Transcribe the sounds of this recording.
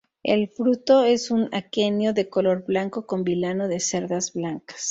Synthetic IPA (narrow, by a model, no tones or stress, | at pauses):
e̞̰lfɾut̪o̞e̞sunake̞njo̞ðe̞ko̞lo̞ɾblaŋko̞ko̞mbilano̞ðe̞se̞ɾðazblaŋkḁs